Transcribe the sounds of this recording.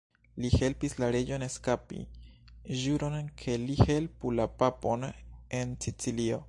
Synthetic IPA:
lihe̞lpislaɾe̞d͡ʒo̞ne̞skapḭ | ʒuɾo̞nkʰe̞lihe̞lpulapapo̞ne̞nsit͡silio̞

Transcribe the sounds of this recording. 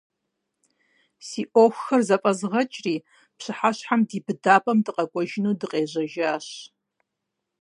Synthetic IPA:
siːʔoxʷxɐrzɐpʼɐzʁɐt͡ʃʼriː | pɕɨħaɕħamdiːbɨdaːpʼɐmdɨqʼɐkʷʼɔʒɪnuːdɨqʼeːʑɐʒaːɕ

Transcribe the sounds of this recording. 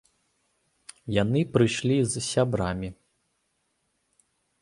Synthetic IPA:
janɨpɾɨʂlʲizsʲabɾamʲi

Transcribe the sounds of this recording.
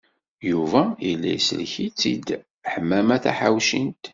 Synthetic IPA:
juvæilːæ̰jsə̰lçit͡sːid̪ | ħəmːæmæθæ̰ħawʃint̪

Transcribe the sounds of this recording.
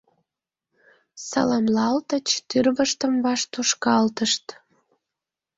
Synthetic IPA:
sɑ̰lɑmlɑlt̪ət͡ɕt̪yrβəʃt̪əmvɑʃt̪uʃkɑlt̪əʃt̪

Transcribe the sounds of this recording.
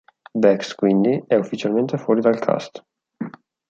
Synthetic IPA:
bɛkskwind̪iɛɔfːit͡ʃialmẽnt̪efɔɾid̪alkʰa̰st̪

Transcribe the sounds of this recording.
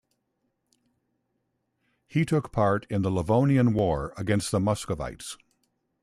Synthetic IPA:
hitʰʊkpʰɑɹɾɨ̃nðələvõʊ̃niɨ̃nwɔɹəɡɛ̃nst̪̚ðəmʌskəva̰ɪts

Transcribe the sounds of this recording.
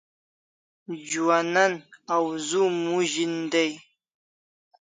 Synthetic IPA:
d͡ʒuananawzumuʒindej

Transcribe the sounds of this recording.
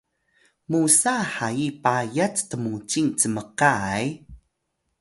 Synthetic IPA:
musaħajipajat͡st̪əmut͡siŋt͡səməqaj

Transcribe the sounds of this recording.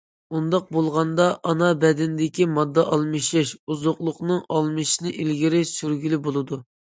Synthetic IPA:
und̪ɑq̚bolˠʁɑnd̪ɑʔɑnɑbɛd̪ɪnd̪ɪkʲimɑd̪ːɑʔɑlˠmɨʃɪʃuzoqlˠʊqnɨŋɑlˠmɨʃinɪʔilɡʲiɾɪsyɾɡʲylɪbolˠɨd̪u

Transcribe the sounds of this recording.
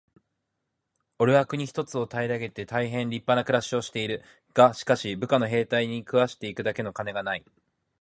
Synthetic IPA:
o̞ɾɯ̟akɯ̟ɲ̟içi̥t̪o̞t͡sɨo̞t̪aiɾaɡe̞t̪e̞t̪aiɦẽ̞nɾʲipːanakɯ̟ɾaɕio̞ɕi̥t̪e̞iɾɯ̟ | ɡ̥aɕi̥kaɕibɯ̟kano̞ɦe̞ːt̪aiɲ̟ikɯ̟βaɕi̥t̪e̞ikɯ̟d̪ake̞no̞kane̞ɡanai

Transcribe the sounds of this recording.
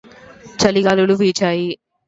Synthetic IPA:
t͡ʃɐliɡaːluluʋiːt͡ʃaːji

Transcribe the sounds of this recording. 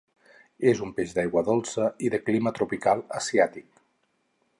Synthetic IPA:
ezumpeʒd̪ajɣwəðolˠsəiðəklimət̪ɾupikalˠəsiat̪ik̚

